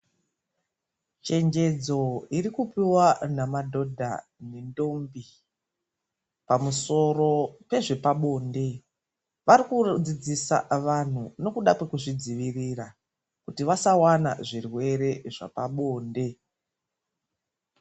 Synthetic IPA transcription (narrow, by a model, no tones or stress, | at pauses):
t͡ʃe̞ɲd͡ʒe̞d͡zo̞irikupiwanamadʱo̞dʱa̰ | nendo̞mbi | pamuso̞ro̞pe̞ʐe̞paɓo̞ːnde̞ | ʋaɾikud͡zid͡zisa̰ʋan̤uno̞kuɗakwe̞kuʐid͡ziʋirira | kutiʋasawana̰ʐirwe̞ɾe̞ʐa̰paɓo̞ːnde̞